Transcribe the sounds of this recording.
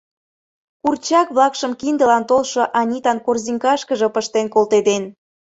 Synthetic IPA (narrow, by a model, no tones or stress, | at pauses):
kurt͡ɕɑkβlɑkʃəmkind̪əlɑnt̪olʃoʔɑnʲit̪ɑnkorziŋkɑʃkəʒɤ̆pəʃt̪enkolˠt̪ed̪en